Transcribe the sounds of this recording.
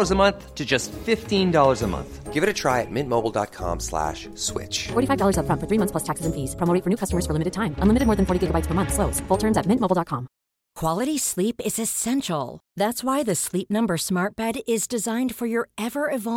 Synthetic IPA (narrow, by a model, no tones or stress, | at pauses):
ə˞zəmʌ̃nθtʰɨd͡ʒʌstfɪftĩndɔlˠə˞zəmʌ̰̃nθɡ̥ɪvɨɾɨtʰɹ̥aɪɨt̚mɪ̃nmoʊbl̩ˠdɑ̰t̚kʰɑ̰̃mslæ̰ʃ | swɪ̰t͡ʃfɔɹɾifaɪvdɔlˠə˞zəfɹʌ̃nfə˞θɹimʌ̃θpʰlʌstʰæksɨzɨ̃nfiz̥pʰɹ̥ɑmoʊɾɪ̃ŋfə˞nʉkʰʌstəmə˞z̥fə˞lɪ̃mɨɾɨd̚tʰãɪ̃mə̃nlɪmɨɾɨd̚mɔɹðɨ̃nfɔɹɾiɡɪɡəbaɪtspʰə˞mʌ̃nθsloʊsfʊlˠtʰɜ̃˞mzɨt̚mɪ̃ntmoʊbl̩ˠdɑt̚kʰɑ̃m | kʰw̥ɑlˠɨɾislipɪzɨsɛ̃nʃl̩ˠðætswaɪðɨslip̚nʌ̃mbə˞smɑɹt̚b̥ɛɾɪzdɨzãɪ̃nd̥fə˞jə˞ɛvə˞ɨvɑ